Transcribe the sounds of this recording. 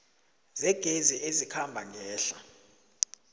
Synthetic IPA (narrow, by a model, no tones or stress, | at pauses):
zɛɡ̥ʱeziʔezikʰambʱaŋɛːɬa